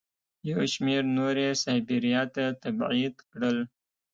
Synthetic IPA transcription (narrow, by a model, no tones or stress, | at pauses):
jawʃmeɾnoɾesɑbiɾijɑt̪at̪abʕid̪kɽəl